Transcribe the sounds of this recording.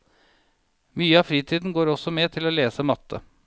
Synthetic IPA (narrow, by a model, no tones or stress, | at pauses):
myːəɑːfɾiːt̪ʰiːd̪n̩ɡoːɾɔsɔmet̪ʰɪloːleːsəmɑt̪ʰːə̰